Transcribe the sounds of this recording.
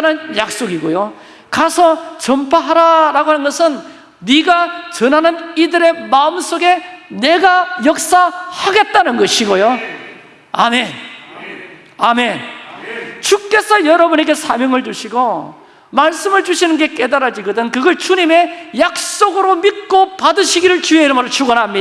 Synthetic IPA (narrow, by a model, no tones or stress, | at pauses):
nɯnjak̚s͈oɡiɡojo | kasʰʌt͡ɕʌmpʰaɦaɾaɾaɡoɦanɯnɡʌsʰɯnː | iɡat͡ɕʌnɦanɯnidɯɾe̞maɯms͈oɡe̞ne̞ɡajʌk̚s͈ahaɡe̞t̚t͈anɯnɡʌɕʰiɡojo | a̰me̞n | ame̞n | t͡ɕuk͈e̞sʰʌjʌɾʌbune̞ɡe̞sʰamjʌŋɯɭd͡ʑuɕʰiɡo | maɭs͈ɯmɯɭd͡ʑuɕʰinɯnɡe̞k͈e̞daɾad͡ʑiɡʌdɯnkɯɡʌɭt͡ɕuɲime̞jak̚s͈oɡɯɾomit̚k͈opadɯɕʰiɡiɾɯɭt͡ɕueiɾɯmɾot͡ɕʰuɡʌnɦamɲida